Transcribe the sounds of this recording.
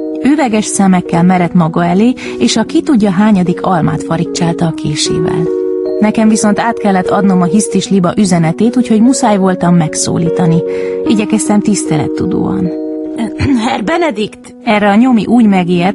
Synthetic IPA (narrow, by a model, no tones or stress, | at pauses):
øːvɛɡɛʃsɛmɛkːɛlmɛɾɛt̪mɒɡɒɛleː | eːʃɒkit̪uɟːɒɦaːɲɒd̪ikʰɒlma̰ːt̪fɒɾikt͡ʃaːlt̪ɒːkʰeːʃḛːvɛ̰lnɛkɛɱviso̞n̪t̪aːt̪kɛlːɛt̪ʰːɒd̪no̞mɒɦist̪iʃlibɒʔyzɛnɛt̪eːt̪uːcho̞ɟmusaːjvo̞lt̪ɒmːɛkso̰ːliːt̪ɒniiɟɛkɛst̪ɛmt̪ist̪ɛlɛ̰t̪ːud̪o̰ːɒ̰n | ɦɛrbɛnɛd̪ikt̪ | ɛrːɛɒɲomḭʔuːɟmɛɡeːr